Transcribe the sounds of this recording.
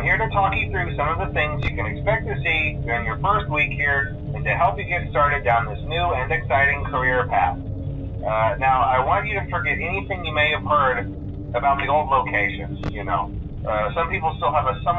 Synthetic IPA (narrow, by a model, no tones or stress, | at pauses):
mhiɹɾɨtʰɔkĩθɹʉsʌ̃mʌvðɨθɪ̃ŋzjɨkɨ̃ñɨkspɛk̚tʰɨsiðɨ̃njə˞fɜ˞st̚wikhiɹ | ɨ̃ntɨɦɛlˠpjɨɡɛtstɑɹɾɨd̚ãʊ̃nðɪsnʉɨ̃nɨksaɪɾɪ̃ŋkʰə˞ɪɹpʰæ̰θ | ʌnaʊa̰ɪwɑ̃nt͡ʃɨɾɨfə˞ɡɛɾɛniθɪ̃ŋjɨmeɪɨv̥hɜ˞ɾ | ɨbaʊt̪̚ðioʊlˠdˡloʊkʰeɪʃɨ̰̃njɨno̰ʊ | ʌsʌ̃mpipl̩ˠstɪlˠəvəsʌ̃m